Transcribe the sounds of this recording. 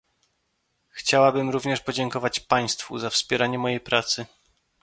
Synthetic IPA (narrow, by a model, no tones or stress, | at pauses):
xt͡ɕawabɘmɾuvɲɛʂpɔd͡ʑɛŋkɔvat͡ɕpaj̃st̪fṵzafspʲjɛɾaɲɛmɔjejpɾat̪sɘ